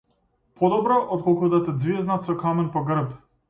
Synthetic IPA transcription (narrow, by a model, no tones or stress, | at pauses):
pʰɔd̪ɔbɾɔʔɔt̪̚kɔlˠkud̪at̪ɛd̪zviznat̪sɔkamɛnpɔɡr̩p